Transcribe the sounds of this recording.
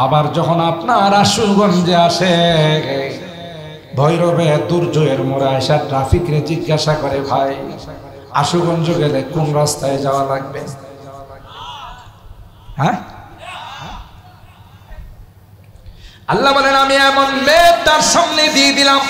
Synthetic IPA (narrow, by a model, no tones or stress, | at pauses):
abaɾd͡ʑɔkʰonapnaɾaʃuɡɔnd͡ʑeaʃe | bʱɔjɾobed̪uɾd͡ʑoeɾmoɾajʃaʈɾafikɾed͡ʑiɡːaʃakɔɾebʱaj | a̰ʃuɡɔnd͡ʑoɡelekunɾast̪aed͡ʑaoalaɡ̚be | ɦɛ | alːabɔlenamiɛmonleb̚t̪aɾʃɔmned̪ied̪ilam